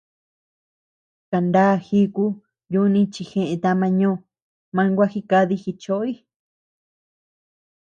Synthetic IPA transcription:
ka˨nd̪a˦˨xi˦ku˦ | ju˧˦˧nĩ˧˦t͡ʃi˧xẽ˧ʔẽ˧t̪a˧mã˧ɲõː˦˨ | mã˧ŋɡʷa˦xi˦ka˧ði˧xi˧t͡ʃo˦i˦

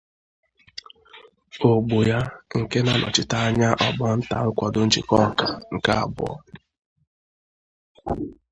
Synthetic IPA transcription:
o˨ɡ͡bo˨ja˦ŋ̩˨ke˦na˦nʔɔ̰˨t͡ʃɪ˦ta˦a˦ɲa˦ʔɔ˨bɔ˦n̩˦ta̰˨ʊ˦kʷɔ˨dʊ˦n̩˦t͡ʃḭ˨kɔ˦˨ka˨ŋ̩˨ka˦a̰˨bʊ̰˦ɔ̰˦

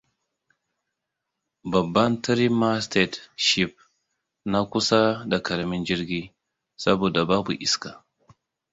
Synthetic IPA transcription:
ba˨bːa˦ntə˦ɾi˦ma˦ste˨dʃi˨p̚ | na˦ku˦sa˦da˨ka˨ɾmi˦nd͡ʒi˦ɾɡi˦ | sa˦bo˨da˨ba˦bṵ˨ʔi˨ska˨

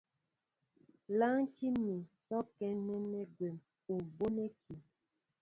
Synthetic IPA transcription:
la˦ŋ˦ki˦mi˨sɔ˦kɛ˦nɛ˦nɛ˦ɡwe˨m | u˨mbo˦ne˦ki˨

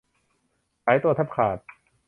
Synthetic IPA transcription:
ʔa˨˩˦jt̪u˧t̪ʰa˦˥p̚kʰaː˨˩t̪̚

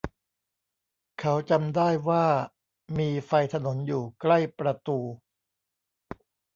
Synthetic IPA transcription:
kʰa˦˥wt͡ɕa˧mdaː˥˩jwaː˥˩ | miː˧fa˧jt̪ʰa˧no˩˦njuː˨˩kla˥˩jpɾa˧t̪uː˧

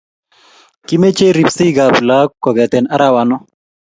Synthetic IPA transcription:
ki˦me˦t͡ʃe˦ɾi˨psi˦ɡa˨bla˦kɔ˨ɡɛ˨tɛ˨na˦ɾa˦˨wa˨nɔ˦

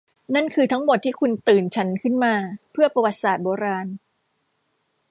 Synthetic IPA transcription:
na˥˩nkʰɯː˧t̪ʰa˦˥ŋmo˨˩t̪ʰːiː˥˩kʰu˧nt̪ɯː˨˩nt͡ɕʰa˦˥nkʰɯ˥˩nmaː˧pʰɯ˥˩ɐpa˧wa˨˩t̪̚saː˨˩t̪̚boː˧ɾaː˧n

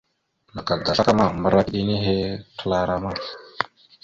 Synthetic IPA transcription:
na˨ka˨da˨a˦ka˦ma˨mbə˨ɾa˦ɗi˦ni˦ɦe˦tə˦la˦ɾa˦ma˦

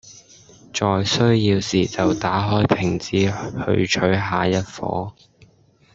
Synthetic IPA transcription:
t͡sɔː˨jsɵ˥ɥjiː˧wsiː˨˩t͡sɐ˨wt̪aː˨˥ɦɔː˥jpʰɪ˨˩ŋt͡siː˨˥hɵ̰˧ɥt͡ʃʰɵ˨˥ɥɦaː˨˧jɐ˥t̚fɔ̰ː˨˥

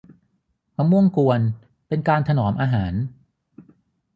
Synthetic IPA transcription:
mʰa˧mu˥˩əŋku˧ən | pe˧nkaː˧nt̪ʰa˧nɔː˩˦mʔaː˧ɦaː˩˦n

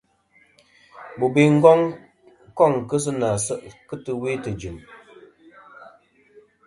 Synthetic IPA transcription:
bu˨bi˦ŋ̩˦ɡɔ˦ŋ | kɔ˦˨ŋkɨ˦s̬ɨ˦na˨sɨ˦ʔkɨ˦tɨ˦˨we˦tɨ˨d͡ʒi˨m

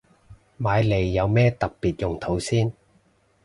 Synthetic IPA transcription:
maː˨˧jle˨˩jːɐ˨˧wmɛː˥t̪ɐ˨k̚piː˨t̚jʊ˨˩ŋt̪ʰo˨˥wsiː˥n

